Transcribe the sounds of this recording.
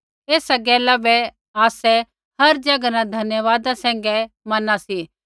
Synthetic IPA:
eːsaɡɛːlabɛ | aːsɛ | hɐɾd͡ʒɐɡnãd̪ʱɐnjəʋaːd̪ãsɛ̃ːŋ̆ɡɛ | mɐnasi

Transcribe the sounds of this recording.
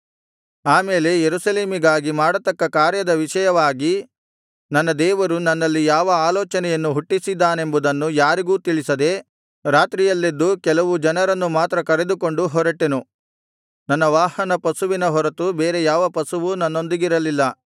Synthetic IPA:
aːmeːle̞jeɾusɐleːmiɡaːɡimaːɽɐt̪ɐkːɐkaːɾjɐd̪ɐʋiʃɐjɐʋaːɡi | nɐnːɐd̪ɛːʋɐɾunɐnːɐlːijaːʋɐaːlɔːt͡ʃɐnɛjɐnːuɦuʈːisid̪ːaːne̞mbud̪ɐnːujaːɾiɡuːt̪iɭisɐd̪e̞ | ɾaːt̪ɾijɐlːed̪ːukɛlɐʋud͡ʒɐnɐɾɐnːumaːt̪ɾɐkɐɾe̞d̪uko̞ɳɖuɦɔɾɐʈːenu | nɐnːɐʋaːhɐnɐpɐsuʋinɐɦɔɾɐt̪ubeːɾe̞jaːʋɐpɐsuʋunɐnːo̞nd̪iɡiɾɐlilːɐ

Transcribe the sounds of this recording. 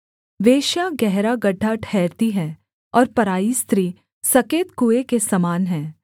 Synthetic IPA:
ʋeːʃjaɡɛɦɾaɡɐɖʱːaʈʰɛːɾt̪iɦɛː | ɔːɾpɐɾaːist̪ɾiː | sɐkeːt̪kuːekesɐmaːnɦɛ̃ː

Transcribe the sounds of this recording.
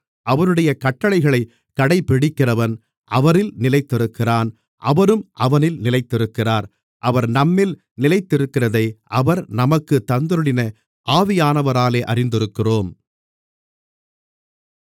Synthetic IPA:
ʔɐʋɐnɯɽɐjɐkɐʈːɐɭɐɪɣɐɭɐɪ | kːɐɽɐɪpːɪɽɪkːɪrɐʋɐn | ʔɐʋɐɾɪlnɪlɐɪt̪ːɪɾɯkːɪraːn | ʔɐʋɐɾɯmʔɐʋɐnɪlnɪlɐɪt̪ːɪɾɯkːɪraːɾ | ʔɐʋɐɾnɐmːɪl | nɪlɐɪt̪ːɪɾɯkːɪrɐðɐɪʔɐʋɐɾnɐmɐkːɯt̪ːɐnd̪ɪɾɯɽɪnɐ | ʔaːʋɪjaːnɐʋɐɾaːleːʔɐrɪnd̪ɪɾɯkːɪroːm

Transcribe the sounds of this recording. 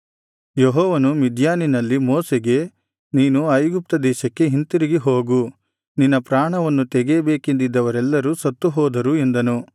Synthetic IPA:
jɔɦɔːʋɐnumid̪ʱjaːninɐlːimoːseɡe̞ | niːnuɐjɡup̚t̪ɐd̪ɛːʃɐkːe̞ɦint̪iɾiɡiɦoːɡu | ninːɐpɾaːɳɐʋɐnːut̪ɛɡeːbeːkend̪id̪ːɐʋɐɾɛlːɐɾusɐt̪ːuɦɔːd̪ɐɾue̞nd̪ɐnu

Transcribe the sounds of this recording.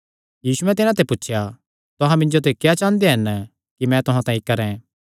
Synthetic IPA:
jiːsuɛ̃t̪̬ɪnãt̪epʊtːʃʰja | t̪ʊɦãmɪ̃nd͡ʒot̪̬ekjat͡ʃãːnd̪eɦɐn | kimɛ̃t̪ʊɦãt̪ãːĩkɐɾɛ̃

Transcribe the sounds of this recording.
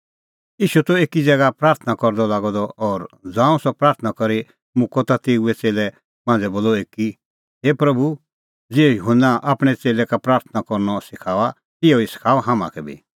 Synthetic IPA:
iːʃut̪ɔeːkid͡zɛɡapɾaːɾt̪ʰnakɔɾd̪ɔlaːɡɔd̪ɔɔːɾd͡zãːũsɔpɾaːɾt̪ʰnakɔɾi | mʊ̃kɔt̪at̪eːuɛt͡seːlɛ | mãːnd͡zɛboːlɔeki | ɦeːpɾɐbʱu | d͡ziːɛjʊɦənːaʔaːpɽ̃ɛt͡seːlɛkapɾaːɾt̪ʰnakɔɾnɔsɪkʰaːʋa | t̪ɪɔisɪ̥kʰaːɔɦãma̰kʰɛbʱḭ

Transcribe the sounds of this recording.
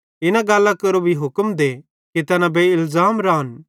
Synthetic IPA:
ɪnãɡaːlːãkɐɾobʱiɦʊkəmd̪e | ket̪ɛnãbeːɪlzaːmɾaɦɐn

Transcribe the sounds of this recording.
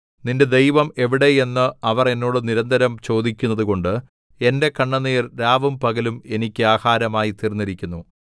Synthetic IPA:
ninde̞d̪e̞jʋɐme̞ʋiɽe̞e̞nːɨɐʋɐre̞nːoːɽɨniɾɐnd̪ɐɾɐmt͡ɕo̞ːd̪ikʲːunːɐðuko̞ɳɖɨ | e̞nde̞kɐɳːɐniːrɾaːʋɨmpɐɣɐlume̞nikʲːɨaːhaːɾɐmaːjit̪irinːiɾikʲːunːu

